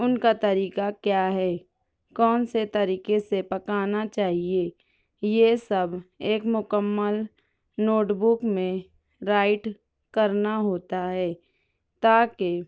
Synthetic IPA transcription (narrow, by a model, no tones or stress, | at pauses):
ʊnkat̪ɐɾiːkakjaːɦɛː | kɔːnset̪ɐɾiːkesepɐkaːnat͡ʃaːɦie | jesɐbeːkmʊkəmːəl | noːʈbʊkmẽ | ɾaːɪʈ | kɐɾnaɦoːt̪aɦɛː | t̪aːke